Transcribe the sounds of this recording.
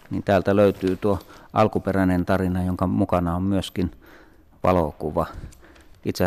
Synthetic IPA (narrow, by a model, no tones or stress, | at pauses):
niːnt̪æːlt̪æløˑyt̪yːt̪uoʔɑlkuperænent̪ɑrinɑjoŋkɑmukɑnɑommyøskin | ʋɑ̰lokuʋɑ | ʔit̪se